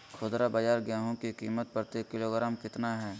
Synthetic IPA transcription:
kʰʊːd̪ɾabɐd͡ʒaːɾɡjaːɦõkikiːmət̪̚pəɾt̪ekɪloːɡɾaːmkɪt̪naɦɛː

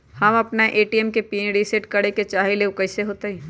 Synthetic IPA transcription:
hɐmɐpnaʔeːʈiɛmkepiːnɖisɪʈkɐɽeket͡ʃaːɦeleʊkəseɦoːt̪eɛ̃ː

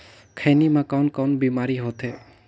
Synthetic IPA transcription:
kʰəjnimakawnkawnbimaɾiɦot̪ʰe

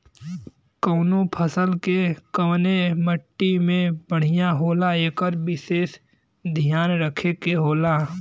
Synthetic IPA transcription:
kəːnopʰəsəlkekəʋneməʈːimẽbəɽ̤ɪjaɦoːlaekəɾbɪʃeːs | d̪ʱijaːnɾəkʰekeɦoːlaː

